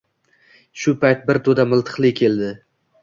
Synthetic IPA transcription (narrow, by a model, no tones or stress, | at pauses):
ʃʊpʰajt̪̚bɪɾt̪ʰod̪amɪlˠt̪ʰɨ̥qlˠɪkʲʰe̞ld̪ɪ